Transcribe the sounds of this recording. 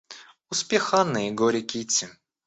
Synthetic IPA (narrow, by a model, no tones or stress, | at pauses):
ʊspʲexanːɨjɪɡoɾʲɪkʲit͡sʲːɪ